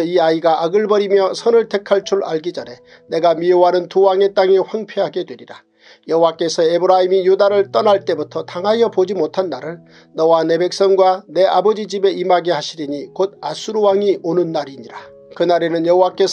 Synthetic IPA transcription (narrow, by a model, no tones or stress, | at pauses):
iaiɡaaɡɯɭbʌɾimjʌsʰʌnɯɭtʰe̞kʰaɭt͡ɕʰuɾa̰ɭɡid͡ʑaɾe̞ | ne̞ɡamiowanɯntuwaŋe̞t͈aŋiɸwaŋpʰjeɦaɡe̞dwe̞ɾiɾa | jʌɦowak͈e̞sʰʌebɯɾaɦimijudaɾɯɭt͈ʌnaɭt͈e̞butʰʌtaŋɦajʌpod͡ʑimotʰanːaɾɯɭ | nʌwane̞be̞k̚s͈ʌŋɡwane̞ʔabʌd͡ʑid͡ʑibe̞imaɡeaɕʰiɾiɲikod̚asʰuɾuwaŋiʔonɯnːaɾiɲiɾa | kɯnaɾe̞nɯnjʌɦowak͈e̞s